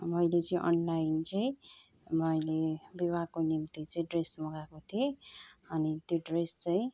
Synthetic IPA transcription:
mʌjlet͡sʌĩʔʌ̰nlajint͡sʌĩ | mʌjlebibʱaɡ̚konimt̪it͡sʌĩɖresmoɡakot̪ʰieʌnit̪joɖrest͡sʌĩ

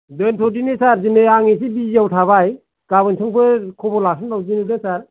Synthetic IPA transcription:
dɯntʰɔdinisaɾzinɯjaŋis̬ibiiawtʰaβaj | ɡ̥abɯnsʰɯŋpʰɯkʰɔbɔlasʰɯntawdinidɯsaɾ

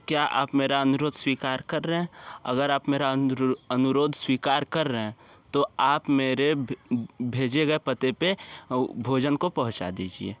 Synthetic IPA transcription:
kjaʔa̰ːpmeːɾaənʊɾoːd̪swiːkaːɾkɐɾːəɦɛ̃ɐ̰ɡəɾaːpmeːɾaənʊɾoːd̪ʱswiːkaːɾkɐɾːəɦɛ̃t̪oaːpmeːɾe | bʱeːd͡ʒeɡɐepət̪epebʱoːd͡ʒənkopɐɦʊ̃t͡ʃa̰d̪iːd͡ʒḭḛː

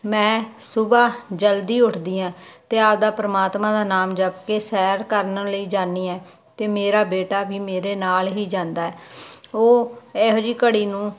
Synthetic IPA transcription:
mɛ̃ːsʊbaːd͡ʒəld̪iːʊʈʰd̪iːãːt̪eːaːp̚d̪aːpɾəmaːt̪mãːd̪aːnaːmd͡ʒəbkeːsɛːɾkəɾnləiːd͡ʒaːnːiːɛː | t̪eːmeːɾaːbeːʈaːbiːmeːɾeːnaːlɦiːd͡ʒãːnd̪aːɛːoːɛːɦod͡ʒiːkəɽiːnũː

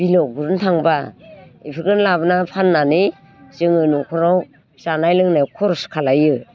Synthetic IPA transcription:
b̥ilɔɡuɾɯntʰaŋbaipʰɯɡɯnlabnapʰanːanɯ | zɯŋɯnukʰɔɾaw | sanajlɯŋnajkʰɔɾskʰalajɯ

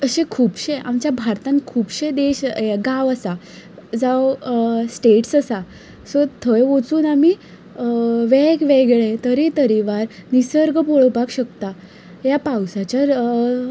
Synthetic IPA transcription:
əɕẽkʰuːbɕeʔa̰mt͡ɕjabʱaɾt̪ãnkʰuːbɕed̪eɕeɡaʋəsa | d͡zawsʈeʈsəsa | sɔt̪ʰəjot͡suːnami | ʋɛkʋɛɡɭẽt̪əɾit̪əɾiʋaɾnisəɾɡpoɭpakɕəkt̪a | japawsat͡ɕja

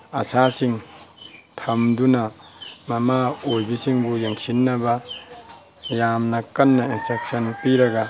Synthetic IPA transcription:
ɐsasiŋ | tʰɐmdunɐmɐmaojbisiŋbujeŋsinːɐbɐ | jamnɐkɐnːɐinstek̚sɐnpiɾɐɡɐ

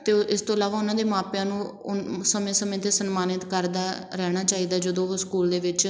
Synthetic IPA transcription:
t̪eːɪst̪õːɪlaːʋaːʊnãːd̪eːmaːpjãːnũː | səmẽːsəmẽːt̪eːsənmaːnɪt̪kəɾd̪aːɾɛːɽ̃aːt͡ʃaːiːd̪aːd͡ʒəd̪õːskuːld̪eːʋɪt͡ʃ

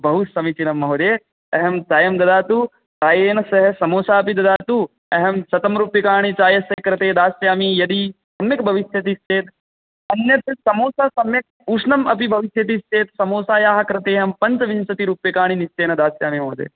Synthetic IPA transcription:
bʱɐɦusɐmit͡ʃinɐmːɐɦod̪eː | ɐɦɐmt͡ʃaːjɐmd̪ɐd̪aːt̪u | taːjeːnɐsɐɦɐsɐmoːsaːɐpid̪ɐd̪aːt̪u | ɐɦɐmsɐt̪ɐmɾuːpjɐkaːɳ̃it͡ʃaːjɐsɐɦkɾɐt̪eːd̪aːsjaːmijɐd̪isɐmjɐkbʱɐʋisjɐt̪ist͡ʃeːt̪ | ɐnjɐt̪isɐmoːsɐsɐmjɐk̚ | uːʂnɐmɐpibʱɐʋisjɐt̪̬ist͡ʃeːt̪sɐmoːsaːjaːɦɐkɾɐt̪eːɦɐmpɐɲt͡ʃɐʋinsɐt̪iɾuːpjɐkaːɳ̃inist͡ʃeːnɐd̪aːsjaːmimɐːd̪ḛː

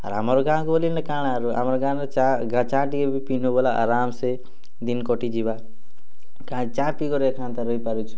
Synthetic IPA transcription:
ʌ̰ɾɦamɾoɡãkoːlinʌkaɽ̃aɾuɦa̰mɾoɡãʌt͡ʃaɡãt͡ʃãʈiebipinubolaʔa̰ɾamse | d̪inkɔʈid͡ʒiba | kãt͡ʃãpiɡʌɾekʰãnt̪aɾʌipaɾut͡ʃʰu̥

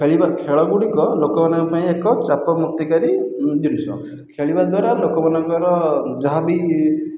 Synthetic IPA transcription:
kʰeɭibaɾkʰeɭɔɡuɽikɔlokɔmanɔŋkɔpaĩekɔt͡ʃapɔmukt̪ikaɾid͡ʒ̪inusɔ̰̃ | kʰeɭibaɾd̪waɾalokɔmanɔŋkɔɾɔd͡ʒɔɦabi

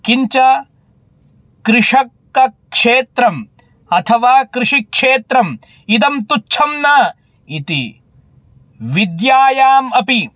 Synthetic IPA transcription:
kiɲt͡ʃɐ | kɾɪʂɐkː | ɐkʂeːt̪ɾɐm | ɐt̪ʰɐʋaːkɾɪʂikʂeːt̪ɾɐm | id̪ɐmt̪ut͡ʃʰɐmnɐ | it̪ḭ | ʋid̪jaːjaːmɐpi

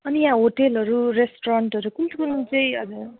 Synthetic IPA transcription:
ʌnijãɦoʈelɦʌɾuresʈoɾʌɳʈʌɾukunt̪ukunt͡sʌĩʌ̰d͡zʌ

